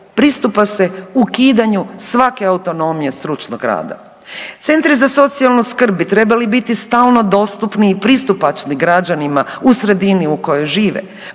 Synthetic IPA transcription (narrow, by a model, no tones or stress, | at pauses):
pɾist̪upase̞ukiːd̪aɲusʋake̞aut̪o̞no̞mije̞st̪ɾut͡ʃnoɡɾa̰ːd̪a̰ | t̪se̞nt̪ɾizaso̞t̪sialˠnuskr̩bbit̪ɾe̞balibit̪ist̪aːlˠno̞d̪o̞ːst̪upniːpɾist̪upat͡ʃniɡɾad͡ʒanimausɾe̞d̪iniuko̞jojʒiːʋḛ